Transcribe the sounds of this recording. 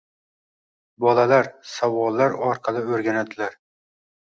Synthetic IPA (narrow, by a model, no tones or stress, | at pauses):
bɒlalaɾsavɒlˠːaɾɒɾqʰɑlˠɪɵɾɡʲanad̪ɪlaɾ